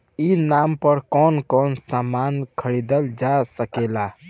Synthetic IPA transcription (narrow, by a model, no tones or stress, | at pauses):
inaːmpəɾkɔːnkɔːnsaːmaːnkʰəɽid̪əld͡ʒasəkeːlaː